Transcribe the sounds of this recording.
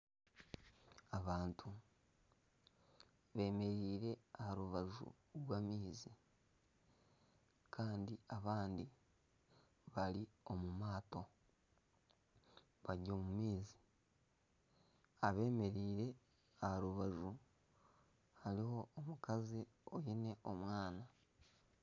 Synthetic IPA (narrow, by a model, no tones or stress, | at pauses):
aβaːntʰu | βe̞ːme̞ɾiːɾe̞ahaɾuβaʒṵ | ɾwaːmiːzi | kʰaːndiaβaːndi | βalio̞mumaːto̞ | βaɟoːmumiːzi | aβe̞ːme̞ɾiːɾe̞ | ahaɾuβaʒu | haɾiho̞ːmukazi | ojine̞ʔo̞mwaːna